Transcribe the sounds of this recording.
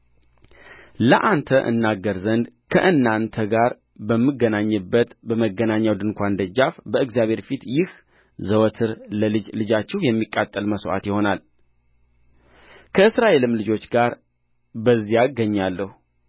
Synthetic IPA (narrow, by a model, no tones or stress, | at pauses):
ləʔant̪ʰəʔɨ̰nːaɡːəɾzənd̪kʰə̰ʔɨnːant̪ʰəɡaɾ | bəmːɨɡːənaɲːɨbːət̪bəməɡːənaɲːawd̪ɨnkʷand̪əd͡ʒafbəɨɡzjaβʱhe̞ɾfit̪jɪh | zəwət̪ʰɨɾləlɨd͡ʒlɨd͡ʒat͡ʃːɛhjɛmːikʼːat̪ʼːəlməsʔa̰t̪jɪho̞nal | kʰəɨsɾaʔe̞lɨmlɨd͡ʒo̞t͡ʃːɡaɾ | bəzːijaɡəɲːalːəhu